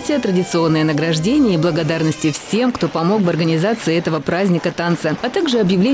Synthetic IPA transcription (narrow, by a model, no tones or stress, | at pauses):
tʲɪət̪ɾədʲɪt̪sɨo̞nːɨjənəɡɾɐʐdʲenʲɪjəiblˠəɡɐd̪arnəsʲtʲɪfsʲe̞mkt̪o̞pɐmo̞kvɐrɡənʲɪzat̪sɨɪɛt̪əvəpɾazʲnʲɪkət̪ant̪səɐt̪aɡʐɨɐbjɪvlʲe